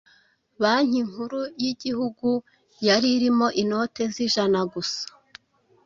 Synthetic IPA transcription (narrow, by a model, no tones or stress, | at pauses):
βaɲ̥iŋhuɾujiɟihuɡu | jaɾiɾimo̞ʔino̞te̞ziʒanaɡusḁ